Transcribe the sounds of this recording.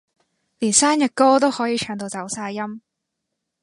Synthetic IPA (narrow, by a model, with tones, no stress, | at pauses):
liː˨˩nsaː˥njɐ˨t̚kɔː˥t̪o˥whɔː˨˥jiː˨˧˥t͡ʃʰœː˨˧ŋt̪o˧wt͡sɐ˨˥wsaː˧jjɐ˥m